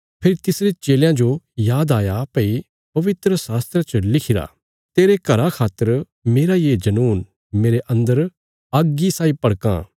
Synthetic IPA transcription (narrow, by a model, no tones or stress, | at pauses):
pʰɪɾit̪ɪsɾet͡ʃeːljãd͡ʒojaːd̪aːjapɐi | pɐʋɪt̪ɾəsaːst̪ɾət͡ʃəlɪkʰɪɾa̰ | t̪eːɾekɐɾakʰaːt̪ːəɾ | meːɾajed͡ʒɐnuːn | meːɾeʔɐ̃nd̪əɾ | ɐɡːisaːipɐɽkã̰ː